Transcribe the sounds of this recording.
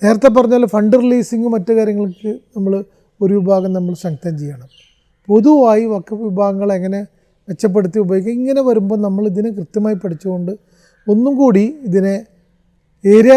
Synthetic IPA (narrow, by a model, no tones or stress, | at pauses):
ne̞ːɾɐt̪ːɐp̬ːɐrɐɲːaːlːfɐɳɖɨriliːsiŋɡɨmɐtːɨkaːɾjɐŋːɐɭkːɨnɐmːɐɭ | o̞ɾuʋibʱaːɣɐmnɐmːɐɭsɐŋɡɐt̪ɐmt͡ɕejːaːɳɐm | po̞ðuʋaːjiʋɐkːɐʋibʱaːɣɐŋːɐɭeŋːɐne̞ | ʋe̞t͡ɕːɐp̬ːe̞ɽut̪ːiʋubʱɐjikʲːɐmiŋːɐne̞ʋɐɾumbo̞ːnɐmːɐɭiðinekrɨt̪ːjɐmaːjipɐʈʰit͡ɕːuɣo̞ɳɖɨ | o̞nːumkuːɽiiðine | eːɾa